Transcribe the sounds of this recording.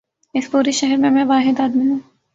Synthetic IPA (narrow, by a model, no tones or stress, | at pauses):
ɪspuːɾiʃɛɦɛɾmẽmɛ̃ːʋaːɦɪd̪aːd̪miɦũː